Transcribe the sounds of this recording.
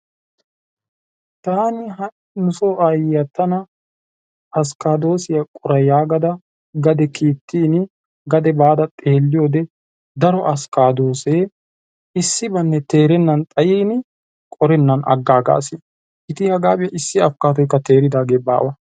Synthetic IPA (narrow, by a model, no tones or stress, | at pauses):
t̪aːnɪɦɐ | nʊsɔɐjjɐt̪ːɐnɐ | ɐs̬kaːd̪o̞ːsɪjɐkʼʊɾɐjaːɡɐd̪ɐ | ɡɐd̪ɛkʰiːt̪ːiːnɪ | ɡɐd̪ɛbaːd̪ɐt̪ʼe̞ːlːɪjo̞ːd̪ɛ | d̪ɐɾɔʔɐskaːd̪o̞ːseː | ɪsːɪbɐnːɛt̪e̞ːɾɛnːɐnt̪ʼɐjiːnɪ | kʼɔɾɛnːɐnʔɐ̰ɡːaːɡa̰ːsɪ | ʔɪt̪ɪhɐɡaːbɪjɐʔɪsːɪɐfkaːt̪̬ɔjkːɐt̪e̞ːɾɪd̪aːɡeːba̰ːwɐ